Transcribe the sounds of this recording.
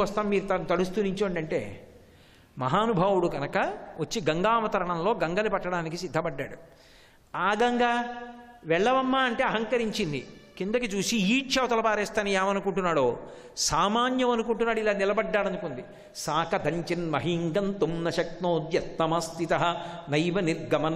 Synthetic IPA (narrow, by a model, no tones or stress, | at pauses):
ɐst̪aːmːiːɾut̪ɐnt̪ɐɽust̪uniɲt͡ʃoːɳɖɐɳʈe̞̰ː | mɐɦaːnubʱaːwuɽuɡɐnɐkɐʋɐt͡ʃːiɡɐŋɡaːmɐt̪ɐɾɐɳɐmlo̞ːɡɐŋɡɐnipɐʈːɐɽaːnikisid̪ʱːɐbɐɖːa̰ːɽu | aːɡɐŋɡa | ʋɛɭːɐʋɐmːaːɐɳʈe̞ːɐɦɐŋkɐɾiɲt͡ʃind̪ḭkind̪ɐkit͡ʃuːsiiːʃɐːwt̪ɐlɐpaːɾeːst̪aːniaːmɐnukuɳʈunːaːɽoː | saːmaːnjɐmɐnukuɳʈunːaːɽuilaːnilɐbɐɖːaːɽɐnukund̪i | saːkɐd̪ʱɐɲt͡ʃinmɐɦiŋɡɐnt̪umnɐʃɐk̚t̪noːd̪jɐt̪̚nɐmɐst̪it̪ɐɦɐnɐjʋɐniɾɡɐmɐn